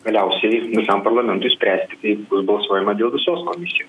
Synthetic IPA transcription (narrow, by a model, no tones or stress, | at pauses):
ɡ̥ɐlʲɛʊsʲɛʋʲɪsɐmpɐɾlˠɐmʲɛnt̪ʊɪsʲpʲɾʲæːsʲt̪ʲɪt̪ɐɪbʊsbɐlˠsoːjɛmɐd̪ʲeːlˠʋʲɪsoːskoːmʲɪsʲɪjoːs